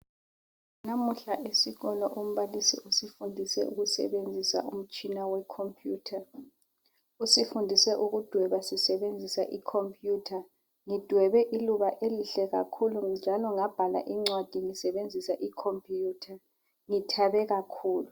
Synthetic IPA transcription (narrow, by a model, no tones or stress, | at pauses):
namuɬaʔesiɣɔlɔʔom̩βalisḭusifundʱisɛ̰ʔṵɣusɛ̰ɓend͡zʱisa̰ʔum̩t͡ʃʼinawɛkʰompʰʼjuːtʰa | usifundʱisɛʔuɣud̥ʱwɛβasisɛɓend͡zʱisa̰ʔikʰompʰʼjuːtʰa | ŋid̥ʱwɛβɛʔiluβaʔeliɬɛɣa̰kʰulud͡ʒʱalɔŋab̥ʱala̰ʔiŋ͡ǀwad̥ʱiŋisɛβend͡zʱisaʔikʰompʼʰjuːtʰa | ŋitʰaɓɛɣakʰuːlu